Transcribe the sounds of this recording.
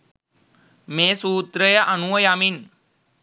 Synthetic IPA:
mesuːt̪ɾəjəʔənuʋəjamiːn

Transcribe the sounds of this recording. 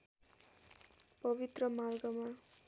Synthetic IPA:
pʌbit̪rʌmarɡʌma

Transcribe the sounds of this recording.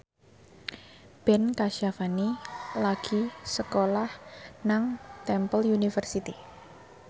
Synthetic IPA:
b̥ɛnkaʃafanilaɡ̥i̤səkolahnaŋt̪ɛmpəljunifərsit̪i

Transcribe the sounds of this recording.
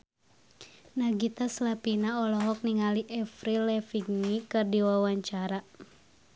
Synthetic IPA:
naɡit̪aslapinaɔlɔɦɔk̚niŋaliʔɛfɾilɛfiɡ̚nikɨrdiwawaɲt͡ʃaɾa

